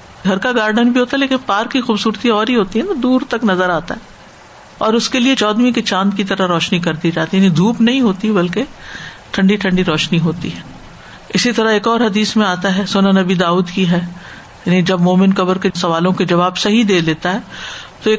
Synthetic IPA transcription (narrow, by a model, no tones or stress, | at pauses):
ɡʱɐɾkaɡaːɾɖənbʱiɦoːt̪aɦɛleːkɪnpaːɾkːixuːbsuːɾt̪iɔːɾɦiɦoːt̪iɦɛt̪od̪uːɾt̪ɐknɐzəɾaːt̪a̰ɦɛː | ɔːɾʊskeliet͡ʃɔːd̪mĩket͡ʃãːnd̪kit̪ɐɾaɾɔːʃnik̬ɐɾd̪id͡ʒaːt̪iɦjnid̪ʱuːpnɐɦĩɦoːt̪iɦɛbɐlke | ʈʰɐ̃ɳɖiʈʰɐ̃ɳɖiɾɔːʃniɦoːt̪ḭɦɛː | ɪsit̪ɐɾaeːkɔːɾɦɐd̪iːsmẽaːt̪aɦɛːsoːnanɐbid̪aːuːd̪kiɦɛː | jaːnid͡ʒɐbmoːmɪnkɐbəɾkesɐʋaːlõked͡ʒɐβaːbsɐɦid̪eːleːt̪aɦɛːt̪oeːk